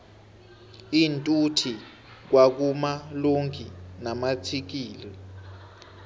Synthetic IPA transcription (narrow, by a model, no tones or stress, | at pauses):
intʼutʰi | k̬wak̬umaloŋkʰʼinamatʰik̬iːlɛ